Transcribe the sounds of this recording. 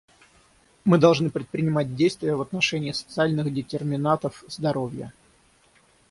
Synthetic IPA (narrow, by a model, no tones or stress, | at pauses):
mɨd̪ɐlˠʐnɨpɾʲɪt̪̚pɾʲɪnʲɪmat̚ʲdʲejst̪vʲɪjəvət̪nɐʂɛnʲɪːsə̥t̪sɨalʲnɨxdʲɪtʲɪrmʲɪnat̪əfzd̪ɐɾovʲjə̰